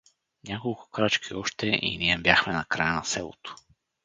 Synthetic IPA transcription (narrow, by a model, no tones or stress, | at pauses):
nʲakolˠkʊ̥kɾat͡ʃkʰiɔʃt̪ɛʔḭniɛbjaxmɛnakɾajənasɛlˠo̰t̪o̥